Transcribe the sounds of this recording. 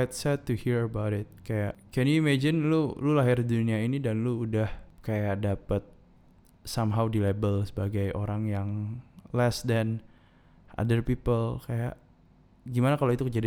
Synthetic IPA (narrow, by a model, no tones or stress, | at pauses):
t̪sɛd̚t̪uhiɾəbawɾɪt̪̚kajaʔkɛnjuimɛd͡ʒɪnlululaɦɪrduniainidanluudahkajaʔdapət̪̚ | samɦawdilebəlsə̥baɡajʔo̰ɾaŋjaŋlɛsdɛn | ʔa̰dərpipəlkaja̰ʔ | ɡimanakaloit̪ukəd͡ʒadi